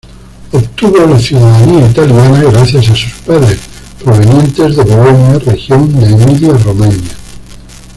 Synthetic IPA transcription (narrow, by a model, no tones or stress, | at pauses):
opt̪uβolaθjuðaðaniait̪aljanaɣɾaθjasasuspaðɾes | pɾo̞β̞e̞njẽ̞nt̪e̞zðeβolonjarexjond̪eːmiljaromãɲja